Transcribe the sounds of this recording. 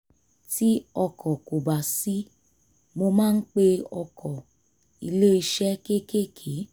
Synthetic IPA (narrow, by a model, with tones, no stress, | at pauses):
ti˦ɔ˧kʰɔ˨ko˨ba˨si˦ | mo˧mãː˦n̩˦k͡pe˧ɔ˧kʰɔ˨ | ḭ˧le˦i˧ʃɛ˦ke˦ke˦˨kʰe˨˦